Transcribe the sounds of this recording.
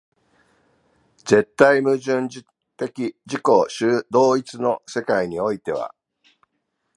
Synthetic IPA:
d͡ze̞t̪ːaimɯ̟ʑɨ̃ɲd͡ʑi | t̪e̞kʲid͡ʑiko̞ɕɨːd̪o̞ːit͡sɨno̞se̞kaiɲ̟io̞it̪e̞β̞a̰

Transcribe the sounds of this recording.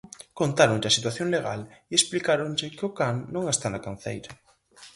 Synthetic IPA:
kont̪aɾonʎɪɐsit̪waθjoŋleɣa̰liesplikaɾonʎɪkɪʊkaŋːõŋest̪anɐkan̟θḛjɾɐ

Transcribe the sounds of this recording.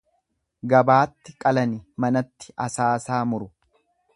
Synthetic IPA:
ɡɐbaːt̪ːɪkʼɐlɐnɪmɐnɐt̪ːɪ̥ʔɐsaːsaːmʊɾʊ

